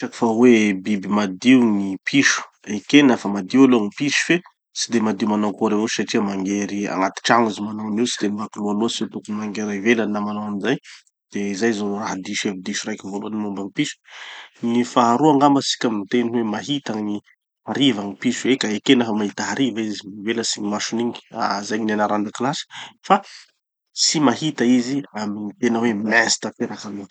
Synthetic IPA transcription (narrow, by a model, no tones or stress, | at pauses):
t͡ʃaki̥fawebibimad̪iwnipʰiʃu̥ | ekenafəmad̪ialuaŋipiʃu̥fe | sid̪emad̪imanawkoɾewusaʈ͡ʂiamaŋɡeɾia̰ŋat̪i̥ʈ͡ʂaŋizimanawniwsid̪enibakilualoaset̪ukunimaŋɡeɾavelannamanawamizaj | d̪̥ezajzoraɦd̪iʃevid̪iʃurajkʲivoluanimumbaŋipiʃu̥nifaːɾuaŋɡambasi̥kʲamint̪eniwemaɦit̪aŋni | aɾivaŋipisuekaekenəfamaɦit̪aɦaɾivaiziiveləsiɲimaʃuniɲi̥a̰zajɲinanaɾand̪aklasi̥fa | simaɦit̪aiziaminit̪enəwemɛsi̥t̪apeɾakalu